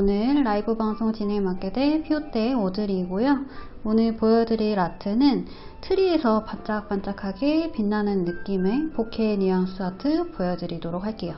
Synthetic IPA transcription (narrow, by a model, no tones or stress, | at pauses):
onɯɭːaibɯbaŋsʰoŋt͡ɕinemak͈ede̞pʰiot͈e̞odɯɾiɡojo | onɯɭpojʌdɯɾiɾatʰɯnɯn | tʰɯɾiesʰʌpant͡ɕ͈ak̚p͈ant͡ɕ͈akʰaɡepinːanɯnːɯk͈ime̞pokʰeɲujaŋsʰɯatʰɯpojʌdɯɾidoɾok̚haɭk͈e̞jo